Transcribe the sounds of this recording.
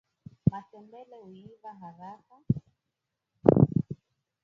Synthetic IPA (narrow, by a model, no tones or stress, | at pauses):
masɛmbɛlɛuivaɦaɾafa